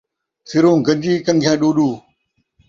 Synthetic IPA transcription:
sɪɾũːɡɐ̃ɲd͡ʑiːkɐ̃ŋɡʰʱãːɗuːɗuː

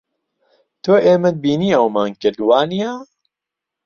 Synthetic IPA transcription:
t̪ʰoːʔeːmɐd̪̚biːniːɐwmaːnkɨɾd̪waːnijaː

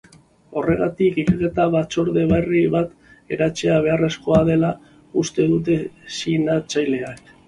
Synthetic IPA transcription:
o̞re̞ɣat̪ikikake̞t̪aβat͡so̞ɾðe̞βariβat̪ | e̞ɾat͡ʃe̞aβ̞e̞are̞sko̞að̞e̞la | ust̪e̞ðut̪̬e̞sinat͡ʃajle̞ak

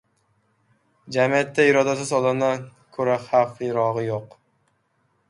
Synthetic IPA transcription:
d͡ʒamijat̪ʰːaɪɾɒd̪asɪzɒlˠanakʰɵɾaχafɪɾɒʁɨjoq

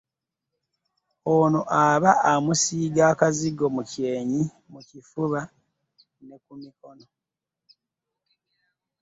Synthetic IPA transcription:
onoʔaβaʔamusiːɡaːkaziɡo̞muceːɲi | mucifuβa | ne̞kumiko̞no̞

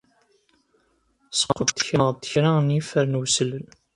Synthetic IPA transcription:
sqːət̪ːə̥çəʁt̪ːə̥çɾanifəɾnwsələn

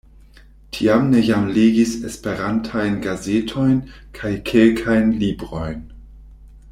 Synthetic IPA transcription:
tʰiamne̞jamleɡisḛspeɾantʰajnɡazetʰo̞jnkʰajkʰelkʰajnlibɾo̞jn

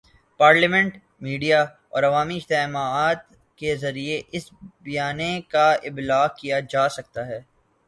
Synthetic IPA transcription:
paːɾlimɛ̃ɳʈ | miːɖija | ɔ̰ːɾɐʋaːmiɪd͡ʒt̪emaːt̪ | kezɐɾieʔɪsbijaːnẽkaɪblaːkijad͡ʒaːsɐk̚t̪aɦɛː

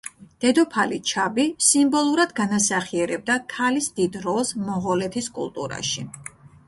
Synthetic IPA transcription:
d̪̥ɛd̪ɔpʰalit͡ʃʰabisimbɔlˠuɾad̪ɡanasaχiɛɾɛb̚d̪akʰalisd̪id̪ɾɔlˠsmɔʁɔlɛt̪ʰiskʼṵlˠt̪ʼṵɾa̰ʃi

